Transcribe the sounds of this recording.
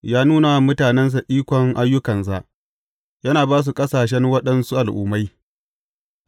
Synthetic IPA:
jaː˦nuː˦na˨mʊ˦taː˨nɛ˦ns̬a˨ʔiː˦kʷɔ˨ŋʔa˦jːʊ˦kɐ˨ns̬a˦ʔ | jɐ˦naː˨baː˦s̬u˨kʼɐ˦saː˨ʃ̬ɛ˦nwɐ˦ɗɐ˦nsu˦ʔa˨lʔṵː˨˦ma˦j

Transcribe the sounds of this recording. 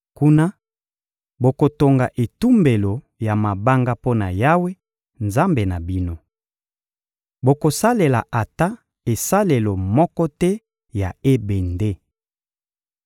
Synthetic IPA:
ku˦na˦ | bo˨ko˨to˨ŋɡa˨ʔe˨tu˦mbe˨lo˨ | ja˨ma˨ba˦ŋɡa˦po˦na̰˨ja˦we˦ | nza˦mbe˨na˨bi˦no˦ | bo˨ko˨sa˦le˨la̰˨ʔa˨ta˦ | e˨sa˦le˨lo˨mɔ˦kɔ˦tɛ˦ | ja˨e˦be˨nde˦

